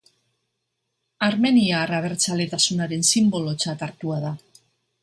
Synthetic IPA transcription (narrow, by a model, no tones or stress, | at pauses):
aɾme̞niaraβ̞e̞ɾt͡sale̞t̪asunaɾe̞nsimbo̞lo̞t͡sat̪aɾt̪uaða